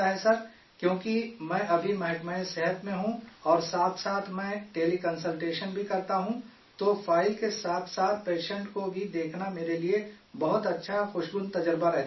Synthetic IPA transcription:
aɦɛsɐɾ | kjõːkimɛ̃ːʔɐbʱimɐɦɛʈmaesɛɦət̪mẽɦũɔːɾsaːt̪ʰsaːt̪ʰmɛ̃ːʈeːlikɐ̃nsəlʈeːʃənbʱikɐɾt̪aɦũ | t̪ofʰaːɪlkesaːt̪ʰsaːt̪ʰpeːʃə̃ɳʈkobʱid̪eːkʰnameːɾeliebɐɦʊt̪ɐtːʃʰaxʊʃɡʊnt̪ɐd͡ʒəɾbaɾɛɦ

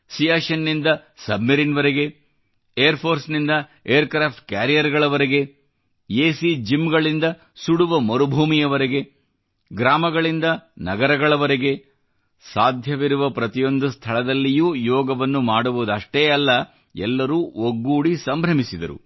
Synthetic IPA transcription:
sijaːʃɐnːind̪ɐsɐbmɐɾinʋɐɾeɡe̞ | ejɐɾpʰoːɾsnind̪ɐejɐɾkɾaːp̚ʈ̚kjaːɾijɐɾɡɐɭɐʋɐɾeɡe̞ | jeːsid͡ʒimɡɐɭind̪ɐ | suɽuʋɐmɐɾubʱuːmijɐʋɐɾeɡe̞ | ɡɾaːmɐɡɐɭind̪ɐnɐɡɐɾɐɡɐɭɐʋɐɾeɡe̞ | saːd̪ʱjɐʋiɾuʋɐpɾɐt̪ijo̞nd̪ust̪ʰɐɭɐd̪ɐlːijuːjɔːɡɐʋɐnːumaːɽuʋud̪ɐʂʈeːɐlːɐ | ɛlːɐɾuːoɡːuːɽisɐmbʱɾɐmisid̪ɐ̰ɾṵ

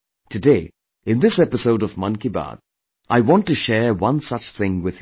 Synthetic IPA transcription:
tʰɨdeɪ | ɪ̃nðɪsɛpɨsoʊɾʌvmʌ̃nkiba̰d | ʔaɪwɔ̃ntːɨʃɛɹwʌ̃nsʌt͡ʃθɪ̃ŋwɪð̥

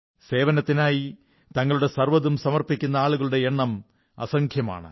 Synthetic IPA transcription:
se̞ːʋɐnɐt̪ːinaːji | t̪ɐŋːɐɭuɽe̞sɐrʋɐðumsɐmɐrpikʲːunːɐaːɭuɣɐɭuɽe̞eɳːɐm | ɐ̰sɐŋkʰjɐma̰ːɳɨ̰

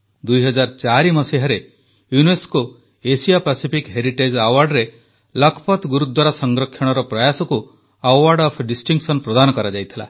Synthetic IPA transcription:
d̪ujɦɔd͡ʒaɾt͡ʃaɾimɔseɦaɾe | junesko | esijapasipʰikɦeɾiʈed͡ʒawaɾɖɾe | lɔkʰɔpɔt̪ɡuɾut̪ːwaɾasɔŋɡɾɔkʰːjɔɽ̃ɔɾɔpɾajasɔku | awaɾɖɔpʰɖisʈiŋksɔnpɾɔd̪anɔkɔɾad͡ʒajt̪ʰila̰

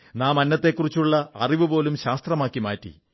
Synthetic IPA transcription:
naːmɐnːɐt̪ːe̞kːurit͡ɕːuɭːɐɐriʋɨpo̞ːlumɕaːst̪rɐmaːkːimaːtːḭ

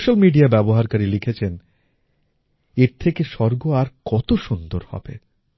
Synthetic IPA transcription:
ʃalmiɖiabɛboɦaɾkaɾilikʰet͡ɕʰen | eɾt̪ʰekeʃɔɾɡoaɾkɔt̪oʃund̪oɾhɔ̰b̥ḛ

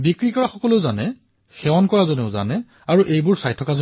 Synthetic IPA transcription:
bikɹikɔɹaxɔkɔleʊzanɛ | xɛwankɔɹazɔneʊza̰nɛ | aɹuʔejbʊɹsajtʰɔkazo

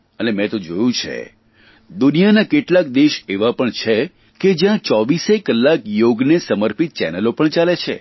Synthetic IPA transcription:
ənemɛ̃t̪od͡ʒojũt͡ʃʰḛ | d̪unijanakeʈlak̚d̪eʃeʋapəɳt͡ʃʰe | ked͡ʒjãt͡ʃɔʋisekəlːakjoɡnesəməɾpit̪̚t͡ʃɛ̰nəlopəɳt͡ʃalet͡ʃʰḛ

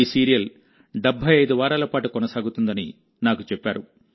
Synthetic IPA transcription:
isiːɾijɐl | ɖɛbʱːɐjɐjd̪uʋaːɾaːlɐpaːʈukɔnɐsaːɡut̪und̪ɐnḭ | naːkut͡ʃɛpːaːɾu

